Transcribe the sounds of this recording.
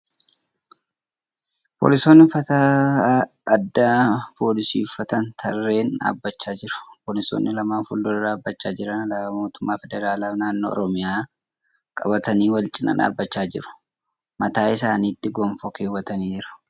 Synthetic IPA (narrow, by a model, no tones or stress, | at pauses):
po̞̰ːlɪsoːnːɪfɐt̪aː | ɐd̪ːaːpʰo̞ːlɪsḭːfɐt̪ɐnt̪ʰɐrːe̞ːna̰ːbːɐt͡ʃːaːd͡ʒɪɾʊ̥poːlɪso̰ːnːɪlɐmaːnfʊld̪ɔlɪraːbːɐt͡ʃːaːd͡ʒɪɾɐnɐlaɐmoːt̪ʊmːaːfɛd̪ɛɾaːlaːfnaːnːoːɔ̰ɾɔmɪjaː | kʼɐ̰bɐt̪ɐniːwɐlt͡ʃʼɪnɐ̰na̰ːbːɐt͡ʃːaːd͡ʒɪɾʊ̥ | mɐt̪aːɪsaːniːt̪ːɪɡɔmfɔkeːwːɐt̪ɐniːd͡ʒɪɾʊ̥